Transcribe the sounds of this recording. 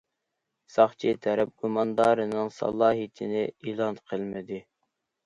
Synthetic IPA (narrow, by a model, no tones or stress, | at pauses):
sɑχt͡ʃʰit̪ʰɛɾɛp̚ɡumɑnd̪ɑːɾɨnɨŋsɑ̰lˠːɑːɦit̪ʰɪnɪilˠɑnqʰəlˠmɪd̪ɪ